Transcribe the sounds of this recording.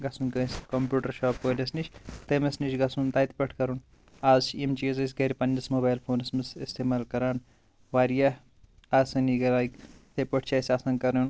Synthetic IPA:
ɡɐsunkɐskompjuːʈɐɾʃaːp̚koːlʲɐsnit͡ʃʰt̪emesnit͡ʃʰɡɐsunt̪aːjt̪pɐʈʰkɐɾun | aːzt͡ʃʰemt͡ʃizɐs̬ʲɡɐɾʲpɐnːɐsmoːbaːjlpʰoːnɐsmɨsist̪ʰeːmaːlkɐɾaːn | ʋaːɾija | aːsɐniɡɐlaːjkt̪epɐʈʰt͡ʃʰɐːjsʲaːsɐŋɡkɐɾun

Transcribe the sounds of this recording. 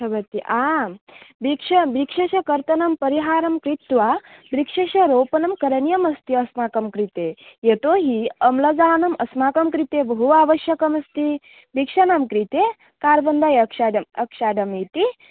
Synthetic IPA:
sʰɐbɐt̪ːiʔaː | bikʂɐbikʂɐʃɐkɐɾt̪ɐnɐmpɐɾiɦaːɾɐmkɾit̪ʋabɾikʂɐʃɐɾoːpɐnɐmkɐɾɐnjɐmɐst̪iɐsmaːkɐmkɾit̪eːjet̪oːɦiɐmlɐd͡ʒaːnɐmɐsmaːkɐmkɾit̪eːbɐɦuaːʋɐʃjɐkɐmɐst̪i | bikʂɐnamkɾit̪eː | kaːɾʋɐnd̪ajɐkʃaːɖɐmɐkʃaːɖɐmit̪i

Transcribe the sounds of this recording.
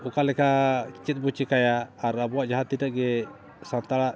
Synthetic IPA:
ukalɛkat͡ʃit̪̚but͡ʃikajaːɾabuaʔd͡ʒaɦat̪ːidaʔɡɛ | sant̪ala

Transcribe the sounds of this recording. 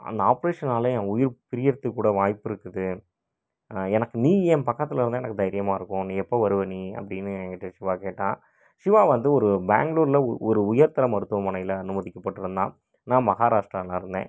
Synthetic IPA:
ɐ̰nd̪ɐaːpɐɾeːʂɐnaːlɐ̃ɛːʊjɪɾpɪɾɪjɐɾt̪ːɯkːuːɽɐʋaːjpːɪɾɯkːɯðɯ | ɛnɐkːɯniːɛmpɐkːɐt̪ːɪlɪɾɯnd̪aːɛnɐkːɯd̪ɐjɪɾɪjɐmaːɪɾɯkːʊ̃niːɛpːoʋɐɾɯʋɐniɐ̰pːɐɽɪnːɯẽːkɪʈːɐʂɪʋaːkeːʈːãː | ʂɪʋaːʋɐnd̪ɯɔɾɯbḛːŋɡɭuːɾɪlɐɔɾɯʊjɐɾt̪ɐɾɐmɐɾɯt̪ːɯʋɐmɐnɐjɪlɐːnɯmɐðɪkːɐpːɐʈːɯɾɯnd̪ã̰ː | nãːmɐɣaːɾaːʂʈɾɐːlãːɪɾɯnd̪ḛ̃ː

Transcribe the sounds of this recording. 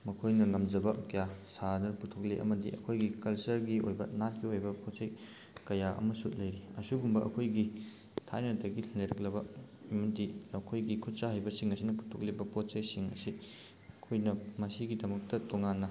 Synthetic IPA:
mɐkʰojnɐŋɐmd͡ʒɐbɐkɐjasanɐputʰok̚leʔɐ̰mɐdiʔɐkʰojɡikɐlsɐɾɡio̰jbɐnat̚ɡiojbɐpotsɐj | kɐjaʔɐ̰mɐsut̚lɐjɾiɐsubumbɐʔɐ̰kʰojɡi | tʰajnɐdɐɡilleɾɐk̚lɐbɐmɐtiɐkʰojɡikʰut̚saɦajbɐsiŋɐsinɐpu̥tʰɔk̚lebɐpot̚t͡ʃɐjsiŋɐ̰si | ɐkʰojnɐmɐsiɡidɐmɐk̚tɐtoŋanːɐ

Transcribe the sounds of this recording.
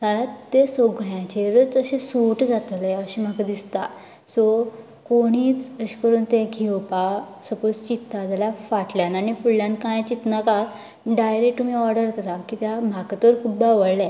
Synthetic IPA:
t̪alat̪ːesoɡɭjãt͡ɕeɾət͡səɕẽsuʈd͡zat̪leəɕim̤akad̪ist̪a | sɔ | koɽ̃iːt͡səɕi̥kəɾuːnt̪eɡʱiwpasəpost͡ɕit̪ːad͡zaljafaʈljanaɽ̃ipuɭːjãnkãjt͡ɕit̪naka | ɖajɾekʈːumiɔɾɖəɾkəɾakiːt̪jamakət̪ʋəɾkʰubaʋəɭla

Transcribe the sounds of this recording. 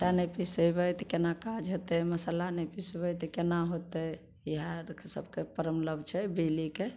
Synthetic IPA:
ʈanepisəbɛjt̪kenakad͡ʒɦot̪ɛməsalanepisbɛjt̪kenaɦot̪ɛ | iɦaɾsə̰bkepəɾəmləbt͡ʃʰɛbelike

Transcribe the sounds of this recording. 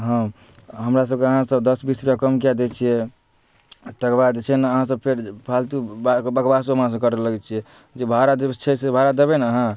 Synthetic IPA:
ɦə̃ | ɦəmɾas̬əb̚keəɦãsəbd̪əsbispjakəmkijad̪ɛt͡ʃʰijɛ | t̪əkbad̪t͡ʃʰɛnəɦãs̬əb̚pʰeɾpʰalt̪ubbəkbasuɦəmãs̬əbkəɾɛləɡɛt͡ʃʰiɛ | d͡ʒebʱaɾad̪et͡ʃʰɛsebʱaɾad̪ebɛnəɦã

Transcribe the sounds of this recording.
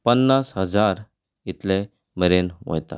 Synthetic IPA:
pənːasɦəd͡zaɾ | it̪le | məɾenʋo̰jt̪a̰

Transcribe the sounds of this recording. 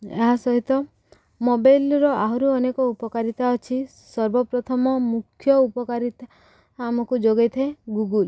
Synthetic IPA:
ḛɦasɔɦit̪ɔ | mobajlɾɔʔaɦɔɾuɔnekɔupɔkaɾit̪aɔt͡ʃʰi | sɔɾbɔpɾɔt̪ʰɔmɔmukʰjɔupɔkaɾit̪aː | mɔkud͡ʒoɡejt̪ʰeɡuɡul

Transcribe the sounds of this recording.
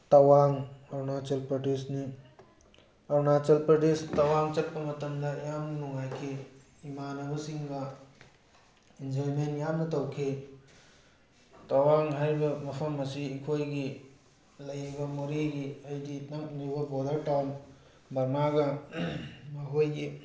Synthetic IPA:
tɐwaŋɔɾnat͡ʃɐlpɾɐdesni | aɾnat͡ʃɐlpɾɐdestɐwaŋt͡ʃɐt̚pɐmɐtɐmdɐjamnɐnuŋajkʰe | imanɐbɐsiŋɡɐ | inzolmenjamnɐtɐwkʰe | tɐwaŋɦaɾibɐmɐpʰɐmɐsiːkʰojɡi | lɐjibɐmoɾiɡiɐjdinɐkniβɐbodɐɾʈawn | bɐɾmaɡɐ | maɦojɡi

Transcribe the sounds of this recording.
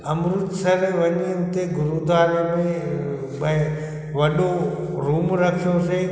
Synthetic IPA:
əmɾʊt̪səɾeʋəɲiənt̪eɡʊɾud̪ʱʋaːɾemẽ | bə | ʋəɗo | ɾuːmɾəkʰjõse

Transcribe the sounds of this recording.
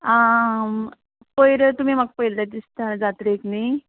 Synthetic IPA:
a | pəjɾət̪um̤imak̚pəjlt̪at̪ist̪ad͡zat̪ɾekni

